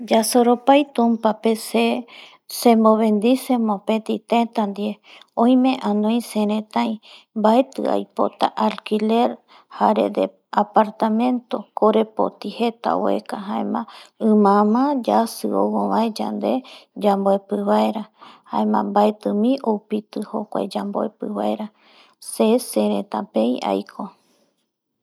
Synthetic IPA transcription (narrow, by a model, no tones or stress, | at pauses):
d͡ʒasoɾopajt̪ũmpapese | sẽmboβẽnd̪isẽmõpet̪it̪ẽt̪and̪ieõj̃mẽʔãnõj̃seɾẽt̪ãj̃ | mbaet̪ɨ̰a̰jpo̰t̪aʔalkileɾ | haɾḛd̪ḛ | apaɾt̪amẽ̞nt̪okoɾepo̰t̪ihet̪a̰woḛkaɦaḛ̃mãɨ̃mãmãd͡ʒasɨo̰wõβaed͡ʒa̰nd̪ed͡ʒamboepɨβaeɾahaẽmã̰mbaet̪ɨmĩʔopit̪ɨho̰kʷa̰ed͡ʒamboḛpɨβaeɾa | seseɾẽt̪ãpẽja̰jkʰo